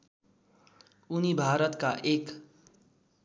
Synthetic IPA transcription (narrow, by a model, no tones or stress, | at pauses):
unibʱaɾʌt̪kaʔek